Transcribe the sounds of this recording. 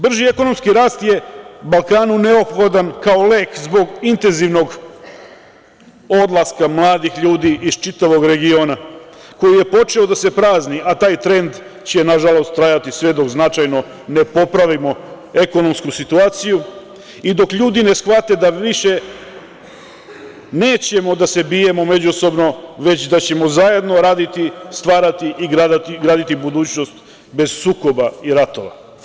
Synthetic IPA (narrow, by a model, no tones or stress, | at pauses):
br̩ʒie̞ko̞no̞mskiɾaːst̪je̞balˠkaːnune̞o̞pxo̞d̪ankao̞le̞ːkzbo̞ɡint̪e̞nziʋno̞ɡ | o̞d̪lˠaskamlˠaːd̪ixʎuːd̪iʔiz̥t͡ʃit̪aʋo̞ɡɾe̞ɡio̞ːna | ko̞jije̞po̞t͡ʃe̞o̞d̪ase̞pɾaːzniʔat̪aːjt̪ɾe̞nd̪ | t͡ɕenaʒalˠo̞st̪ːɾajat̪isʋe̞d̪o̞ɡznat͡ʃajno̞ | ne̞po̞pɾaʋimo̞ | e̞ko̞no̞mskusit̪uaːt̪siju | id̪o̞kʎuːd̪ine̞sxʋat̪e̞d̪aʋiʃe̞ | neːt͡ɕe̞mo̞d̪ase̞bije̞mo̞me̞d͡ʑuso̞bno̞ʋe̞t͡ɕd̪at͡ɕe̞mo̞zaje̞d̪no̞ɾaːd̪it̪ist̪ʋaːɾat̪iʔiɡɾad̪at̪iɡɾaːd̪it̪ibud̪uːt͡ɕnost̪ | be̞z̥suːko̞baiɾat̪o̞ʋa̰